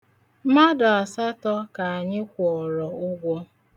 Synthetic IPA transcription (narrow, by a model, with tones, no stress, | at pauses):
ma˦dɔ˨a˨sa˦tɔ˦ka˨a˨ɲɪ˦kʷɔ˨ɾɔ˨ʊ˦ɡʷɔ˦